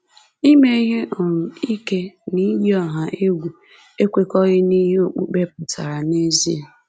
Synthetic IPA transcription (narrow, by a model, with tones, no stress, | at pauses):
i˦me˦ɦe˦ʔɔ˨ɾʊ˨i˦ke˦ni˦djɔ˦ɦa˨ʔe˦ɡʷu˨ | e˦kʷe˦kɔ˦ɣɪ˦ni˦ɦe˦o˨k͡pṵ˦k͡pe˦pʊ˨ta˨ɾa˨ne˦zi˦e˨